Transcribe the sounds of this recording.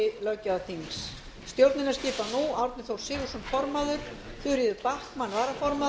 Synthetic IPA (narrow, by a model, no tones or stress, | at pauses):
lœcːaat̪ʰiŋs | st̪jowɾt̪nɪnascɪːpanuawɾt̪nɪθowɾ̥sɪːɣusɔnfɔɾmaðʏɾ̥ | θʏɾjɪðʏpahkmanːvaːɾafɔɾma